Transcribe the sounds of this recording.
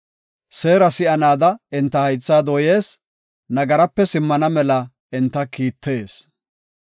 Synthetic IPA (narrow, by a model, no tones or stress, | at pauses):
se̞ːɾɐsɪʔɐnaːd̪ɐɪnt̪ːɐhɐjt͡sːaːd̪ɔːje̞ːs | nɐɡɐɾɐpːɛsɪmːɐnɐmɛlɐ | ɪnt̪ːɐkiːt̪ːe̞ːs